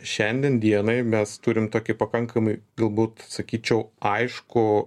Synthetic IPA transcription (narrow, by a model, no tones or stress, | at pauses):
ʃʲɛnʲd̪ʲɛnd̪ʲiɛnɐɪmʲɛst̪ʊɾʲɪmt̪oːkʲɪpɐkɐŋkɐmɐɪɡɐlˠbuːt̪sɐkʲiːt͡ʃʲɛʊɐɪʃkʊ